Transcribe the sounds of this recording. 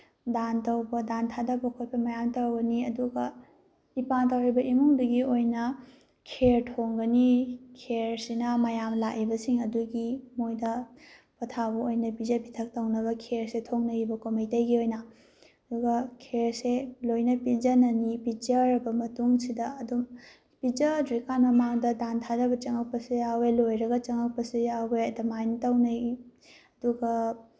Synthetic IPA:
dantɐwbɐdantʰadɐbɐkʰojpʰɐmajamtɐwɡɐniɐduɡɐ | ipantawɾibɐimuŋdɐɡiojnɐ | kʰeɾtʰoŋɡɐnikʰeɾsinɐmɐjamlakibɐsiŋɐduɡimojdɐ | pʰɐtʰabɐojnɐpizɐpitʰɐk̚tɐwnɐβɐkʰeɾsetʰoŋnɐibɐkomijtajɡiojnɐ | ɐduɡɐkʰeɾselojnɐpid͡ʒɐnɐnipid͡ʒɐɾɐbɐmɐtuŋsidɐɐdu | pid͡ʒɐdɾikanmɐmaŋdɐdantʰadɐbɐt͡ʃɐŋɐk̚pɐsujawelojɾɐɡɐt͡ʃɐŋɐk̚pɐsujawbeɐdɐmajntɐwnɐ | ɐduɡɐ

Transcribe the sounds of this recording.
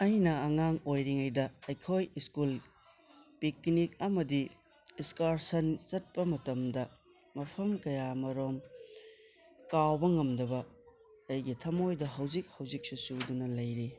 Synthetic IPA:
ɐjnɐːŋaŋojɾiŋɐjdɐːjkʰojiskul | piknik̚ɐmɐdi | iskaɾsɐnt͡ʃɐt̚pɐmɐtɐmdɐ | mɐpʰɐmkɐjamɐɾom | kawbɐŋɐmdɐbɐ | ɐjɡitʰɐmojdɐɦɐwzik̚hɐwzik̚susudunɐlɐjɾi

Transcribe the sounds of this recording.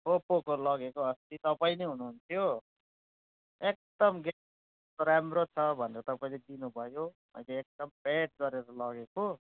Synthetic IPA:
opokolʌɡekoɦʌst̪it̪ʌpaĩnʌjɦunuɦunt̪ʰijo | ek̚d̪ʌmɡe | t̪ɾamrot͡sʰʌbʱʌneɾʌt̪ʌpaĩled̪inubʱʌjo | bʌ̰jleːk̚d̪ʌmpeʈ̚ɡʌɾeɾʌlʌɡeko

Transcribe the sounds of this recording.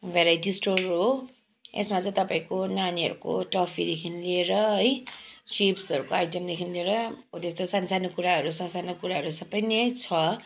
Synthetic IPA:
bʱeɾajdisʈorɦo | ḛsmat͡sʌ̃ĩt̪ʌpaĩkonaniɦʌ̰ɾuko̰ʈʌpʰid̪ekʰinlieɾʌɦʌjsipsʌɾukoajʈʌmd̪ekʰinilieɾʌot̪est̪osansanokuɾaɦʌɾusʌsanokuɾaɦʌɾusʌbʌjnejt͡sʰʌ

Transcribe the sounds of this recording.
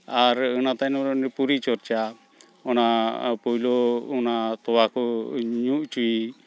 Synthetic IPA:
aɾɯnat̪anɔɾɔnipuɾit͡ʃɔɾt͡ʃa | ɔnapɔjlɔunat̪ɔwakɔɲuʔt͡ʃui

